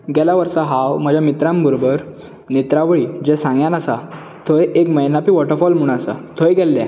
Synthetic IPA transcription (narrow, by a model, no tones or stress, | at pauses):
ɡɛlaʋəɾsaɦawm̤əd͡ʑʱjamit̪ɾãmbʱəɾobəɾ | net̪ɾaʋɭiːd͡ʑɛsãŋɡjãnasa | t̪ʰojekməjnapiːʋɔʈəɾfɔlm̤uɽ̃asa̰t̪ʰojɡɛlːɛ̰